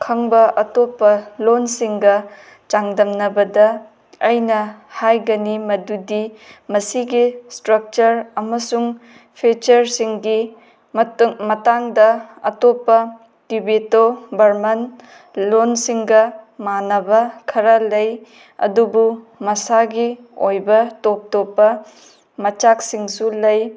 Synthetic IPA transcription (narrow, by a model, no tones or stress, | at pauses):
kʰɐŋbɐʔɐtopːɐlonsiŋɡɐ | t͡ʃaŋdɐmnɐbɐdɐ | ɐjnɐhajɡɐnimɐdudimɐsiɡistɾɐk̚t͡ʃɐɾɐmɐsuŋ | pʰet͡ʃɐɾsiŋɡi | mmɐtaŋdɐɐ̰topːɐ | tibetobɐɾmɐn | lonsiŋɡɐmanɐbɐkʰɐɾɐlɐj | ɐ̰dubu | mɐsaɡi | ojbɐtop̚topːɐ | mɐt͡ʃak̚siŋsulɐj